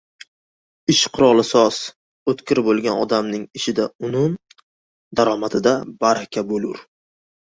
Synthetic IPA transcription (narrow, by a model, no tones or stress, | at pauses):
ɪʃqʰʊɾɒlˠɪsɒs | ot̪kʲɪɾbolˠɡʲanɒ̰d̪amnɪŋɪʃɪd̪aʊnʊn | d̪aɾɒmat̪ʰɪd̪abaɾakʲʰabolʊɾ